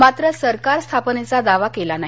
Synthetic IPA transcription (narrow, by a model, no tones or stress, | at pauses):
mat̪ɾəsəɾkaɾst̪ʰapnet͡sad̪aʋakelanaɦ